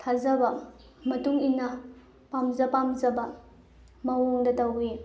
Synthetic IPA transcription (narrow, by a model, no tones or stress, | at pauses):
tʰazɐbɐ | mɐtuŋinːɐ | pamzɐpamzɐbɐ | mɐwoŋdɐtɐwɡi